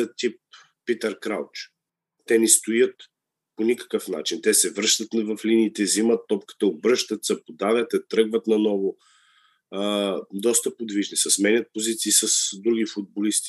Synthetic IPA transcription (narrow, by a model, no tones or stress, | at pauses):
ət̪ip̚ː | it̪əɾkɾawt͡ʃ | t̪ɛnɛst̪ojət̪ | ponikə̥kəfna̰t͡ʃint̪ɛsɛvɾəʃt̪ət̪nvɐfliniːt̪ɛzimət̪ːɔpkə̥t̪əobɾɤʃt̪ət̪sɐpod̪avɛt̪ɛt̪ɾɤɡvət̪nɐnɔvo | d̪ɔst̪əpod̪viʒnisɐsmɛnʲət̪̚pozit̪siːsɐsd̪ɾuɡ̟ifʊd̪̚bolist̪i̥